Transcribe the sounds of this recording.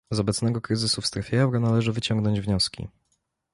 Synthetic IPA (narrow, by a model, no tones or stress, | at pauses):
zɔbɛt̪snɛɡɔkɾɘzɘsufst̪ɾɛfʲjeɛwɾɔnalɛʐɘvɘt͡ɕɔŋɡnɔɲd͡ʑvɲɔskʲḭ